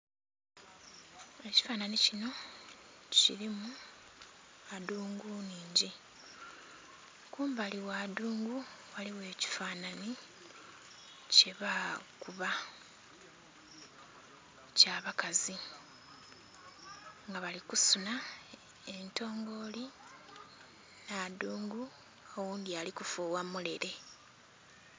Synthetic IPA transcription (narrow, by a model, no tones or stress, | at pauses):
e̞ci̥faːnanicino̞ | ccḭɾimu | aduːŋɡuniːɲɟi | kuːmbaliwaːduːŋɡuwaliwe̞ːci̥faːnani | ce̞βakuβa | caːβakazi | ŋɡaβalikusuna | ento̞ːŋɡo̞li | naduːŋɡu | owuːndialikufuwamule̞ɾe̞